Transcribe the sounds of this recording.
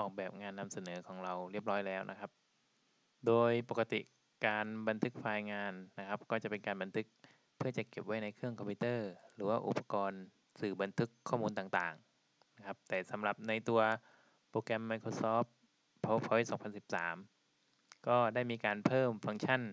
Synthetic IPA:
ʔɔː˨˩k̚bɛː˨˩p̚ŋaː˧nːa˧msa˧nɤː˩˦kʰɔː˩˦ŋɾa˧wɾi˥˩əp̚ɾɔː˦˥jlɛː˦˥˩wnʔa˦˥kʰa˦˥p̚ | doː˧jpo˨˩ka˧t̪ḭ˨˩ʔ | kaː˧nba˧nt̪ʰɯ˦˥k̚faː˧jŋaː˧nːa˦˥kʰa˦˥p̚kɔː˥˩t͡ɕa˨˩pe˧nkaː˧nba˧nt̪ʰɯ˦˥k̚ | pʰːɯ˥˩ɐt͡ɕa˨˩ke˨˩p̚wa˦˥jna˧jkʰɯ˥˩əŋkʰɔ˧mpʰuː˧˥t̪ɤː˥˩ɾɯː˩˦waː˥˩ʔṵ˨˩pːa˧kɔː˧n | sɯː˨˩ba˧nt̪ʰɯ˦˥kʰːɔː˥˩muː˧nt̪aː˨˩ŋt̪aː˨˩ŋ | na˦˥kʰa˦˥p̚t̪ɛː˨˩sa˩˦mɾa˨˩p̚na˧jt̪u˧ɐ | pɾoː˧kɛ˧mːa˧jkʰoː˧sɔː˦˥ | ɔ˦˥pʰɔ˧˥sɔː˩˦ŋmpʰa˧nsi˨˩p̚sa̰ː˩˦m | kɔː˥˩daː˥˩jmiː˧kaː˧npʰɤː˥˩mfa˧ŋt͡ɕʰa˥˩n

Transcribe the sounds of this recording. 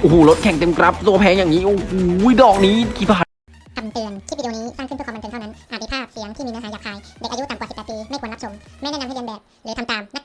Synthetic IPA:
ʔo˨˧huː˧˩lo˦˥t̪̚kʰɛ˨˩ŋt̪e˧mkɾa˦˥p̚su˧ɐpʰɛː˨˥njaː˨˩ŋːiː˦˥ʔo˧hu˨˩˥jdɔː˨˩k̚niː˦˥kʰiː˧˩pʰaː˧˩ | kʰa˧mt̪ɯ˨˩ənt̪ʰi˥˩iː˧niː˦˥saː˥˩kʰp̪ʰːe˧nt̪ʰa˥˩na˦˥nʔaː˨˩mː˧pʰaː˥˩siː˨˩˦əŋt̪ʰiː˥˩mː˧n˧˥ɦaː˨˦jaː˨˩k̚aː˧jde˨˩k̚ʔa˧ju˦˥t̪a˨mkwsi˨˩pːt̪̚piː˧ma˥˩jʰkːnla˦˥psʰo˧mma˥˩nɛ˥˨a˧ha˥˩e˧nbɛː˨˩p̚lɯː˨˦t̪ʰa˧mt̪aː˨˧mna˦˥

